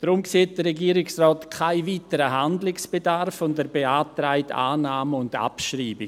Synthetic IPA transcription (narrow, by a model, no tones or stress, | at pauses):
d̥ɾʊmkseːt̚d̥əːɛɡiːɾɪksrɔːtkʰaɪviːtəɾəɦandlɪksb̥edaɾfʊndəɾbeaːtɾaɪtʰa̰ːnaːməʊnda̰pʃriːbɪ